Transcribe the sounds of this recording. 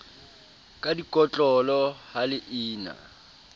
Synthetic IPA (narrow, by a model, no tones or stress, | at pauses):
kʼadikʼɔt͡ɬʼɔlɔhalɪʔiːna̰